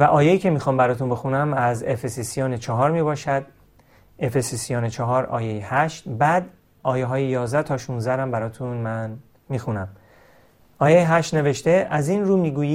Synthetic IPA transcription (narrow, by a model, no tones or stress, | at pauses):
væʔɒːjejiːcʰe̞miːxɒːmbæɾɒːt̪ʰunbe̞xunæmæzefesisijɒːnet͡ʃʰɒɦɒːɾmiːbɒːʃæd̪̚ | efesisijɒːnet͡ʃʰɒɦɒːɾɒ̰ːjejehæʃt̪bæd̪ | ʔɒːjeɦɒːjejɒːzd̪æt̪ʰɒːʃuːnzæɾæmbæɾɒːt̪ʰunmæn | miːxunæm | ʔɒːjejeɦæʃt̪neveʃt̪e̞ʔæzinɾuːmiːɡuːjiː